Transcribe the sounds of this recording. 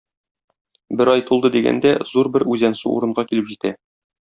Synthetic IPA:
bɘɾɑjt̪ulˠd̪ɤd̪iɡæ̰nd̪æzuɾbɘɾʉzænsʉṵɾɤ̆ɴɢɑkilɘpʑit̪æ

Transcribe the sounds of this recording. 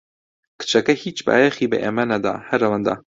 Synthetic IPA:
kɨ̥t͡ʃɐkɐhit͡ʃba̰ːjexiːbɨ̰ʔeːmɐnɐd̪a̰ːhɐɾɐwand̪a̰ː

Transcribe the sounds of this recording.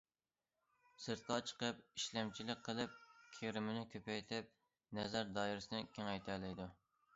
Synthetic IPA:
sɨɾt̪̚qɑt͡ʃʰə̥qəp̚iʃlɛmt͡ʃʰilɪk̚ʲqʰːəlˠɨp̚kʲʰeɾɪmɪnɪkʲʰøpɛjt̪ʰɪp̚ | nɛzæɾd̪ɑːiɾɪsɪnɪkʲʰeŋɛjt̪ʰælɪjd̪u

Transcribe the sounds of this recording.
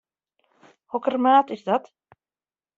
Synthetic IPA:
hɔkərmaːtɪsdɔt

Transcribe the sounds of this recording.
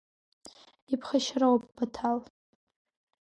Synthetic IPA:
ipʰχaʃrawapʼbatʰal

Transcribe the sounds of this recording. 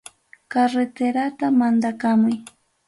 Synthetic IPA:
kaɾet̪eɾat̪amand̪akamʊj

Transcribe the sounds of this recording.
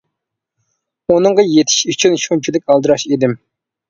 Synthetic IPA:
unɨŋʁɑjet̪ʰi̥ʃyt͡ʃʰynʃunt͡ʃʰilɪkʲɑlˠd̪ɨɾɑʃed̪ɪm

